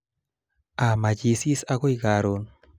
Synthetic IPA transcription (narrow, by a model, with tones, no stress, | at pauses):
a˨ma˨d͡ʒi˨si˦sa˦ɣo˦i˦ɣaɾon